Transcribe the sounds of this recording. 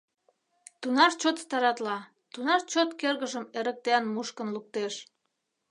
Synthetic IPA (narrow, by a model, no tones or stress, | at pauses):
t̪unɑʃt͡ɕot̪st̪ɑɾɑt̪lɑ | t̪unɑʃt͡ɕot̪kerɣəʒəmeɾə̆k̚t̪eɑnmuʃkənluk̚t̪eʃ